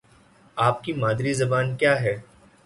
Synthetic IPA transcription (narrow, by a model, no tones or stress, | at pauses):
aːp̚kimaːd̪ɾizɐbaːnkjaːɦɛː